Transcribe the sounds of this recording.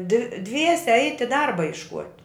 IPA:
dʋ ˈdʲʋʲiɛsʲɛ ˈɛɪtʲɪ ˈdɐrbɐ jɪʃˈkuɔtʲ

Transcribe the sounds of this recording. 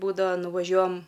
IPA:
ˈbuːdɐʋɐ nʊʋɐˈʒʲuɔjɛm

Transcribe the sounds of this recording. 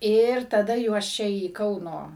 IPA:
ɪr tɐˈdɐ juɔs ˈt͡ʃʲɛ iː ˈkɐʊnoː

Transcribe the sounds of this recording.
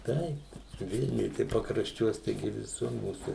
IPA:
ˈtɐɪp ˈʋʲɪlʲnʲʊj tɐɪ pɐkrɐʃʲˈt͡ʃʲuɔs tɐɪˈɡʲɪ ʋʲɪˈsʊr ˈmuːsuː

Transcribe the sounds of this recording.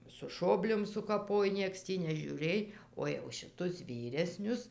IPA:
sʊ ˈʃoːbʲlʲoːm sʊkɐˈpoːj ˈnʲiɛks tʲiː nʲɛʒʲuːˈrʲeːj oː jɛʊ ʃʲɪˈtʊs ˈʋʲiːrʲɛsʲnʲʊs

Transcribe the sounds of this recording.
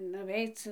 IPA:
nʊˈʋʲɛɪt͡s

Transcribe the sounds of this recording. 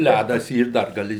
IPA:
ˈlʲædɐs ˈiːr dɐr ɡɐˈlʲɪ

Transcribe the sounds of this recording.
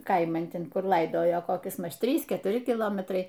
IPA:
ˈkɐɪmɐn ˈtʲɛn ˈkʊr ˈlˠɐɪdoːjoː koːˈkʲɪs ˈmɐʃ ˈtʲrʲiːs kʲɛtʊˈrʲɪ kʲɪˈlˠoːmʲɛtrɐɪ

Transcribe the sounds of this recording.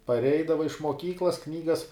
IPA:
pɐrʲˈɛɪdɐʋɐɪ ɪʃ muɔˈkʲiːklˠɐs ˈknʲiːɡɐs

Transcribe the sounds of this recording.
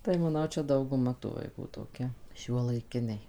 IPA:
tɐɪ mɐˈnɐʊ ˈt͡ʃʲɛ dɐʊɡʊˈmɐ tuː ʋɐɪˈkuː toːˈkʲɛ ʃʲuɔlˠɐɪˈkʲɪnʲɛɪ

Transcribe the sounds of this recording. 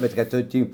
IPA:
bʲɛt kɐt ˈtʊ ˈtʲiː

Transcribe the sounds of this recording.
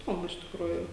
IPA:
ɪˈdoːmʊ ɪʃ tʲɪkˈruːjuː

